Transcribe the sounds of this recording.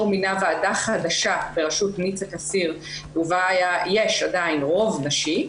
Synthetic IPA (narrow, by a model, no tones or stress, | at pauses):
ʁminaveadaχadaʃabeʁaʃutnit͡sakasiʁ | uvaːjajeʃadajinʁo̞vnaʃi